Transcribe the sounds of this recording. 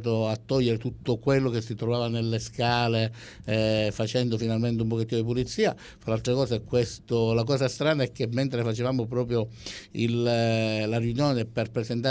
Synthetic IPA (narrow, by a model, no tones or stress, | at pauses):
t̪̬oat̪ːɔʎːeɾet̪ut̪ːokwelːok̟esːit̪ɾovaːvanelːeskaːle | fat͡ʃɛnd̪ofinalment̪eump̬oket̪ːiːnod̪ip̬ulit̪sːiːa | falalt̪ɾekɔːseɛkːwest̪olakɔːsast̪ɾaːnaɛk̟ːemːent̪ɾefat͡ʃevaːmop̬ɾɔːp̬ɾjoillarjunjoːneperpɾezent̪a